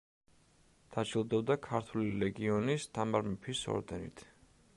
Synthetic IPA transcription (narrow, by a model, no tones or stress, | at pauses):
d̪̥at͡ʃʰilˠd̪ɛbd̪akʰaɾt̪ʰuliɾɛɡiɔnist̪ʰamaɾmɛpʰisɔ̰ɾd̪ɛnḭt̪ʰ